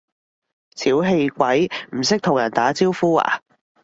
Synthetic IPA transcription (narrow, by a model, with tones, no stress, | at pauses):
t͡sʰiː˨˥wɦe˧jkʷɐ˨˥jm̩˨˩sɪ˥k̚t̪ʰʊ˨˩ŋjɐ˨˩nt̪aː˨˥t͡siː˥wfuː˥a̰ː˨˩